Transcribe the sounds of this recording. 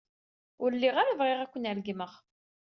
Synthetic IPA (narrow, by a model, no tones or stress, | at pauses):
ʊɾlːiʁaɾavʁeʁækʷːənəlɡməʁ